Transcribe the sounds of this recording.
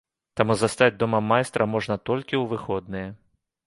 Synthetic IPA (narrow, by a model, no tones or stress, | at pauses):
t̪amuzɐst̪ad͡zʲd̪ɔmɐmajst̪ɾɐmɔʐnɐt̪ɔlʲkʲiwʋɨxɔd̪̚nɨjɛ